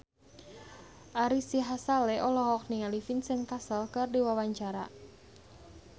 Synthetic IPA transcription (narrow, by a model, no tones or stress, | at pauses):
ʔaɾisiɦasalɛʔɔlɔɦɔk̚niŋalifinsɪŋkasəlkərdiwawaɲt͡ʃaɾa̰